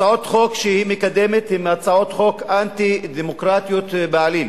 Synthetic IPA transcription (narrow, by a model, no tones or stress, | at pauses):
aot̪χo̞kʃehimekad̪emet̪imat͡sao̞t̪χo̞kant̪id̪emokʁat̪jot̪baalim